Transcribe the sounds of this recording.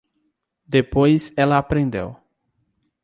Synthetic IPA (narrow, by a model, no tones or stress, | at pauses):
d̪epojzɛlɐapɾẽnd̪ḛw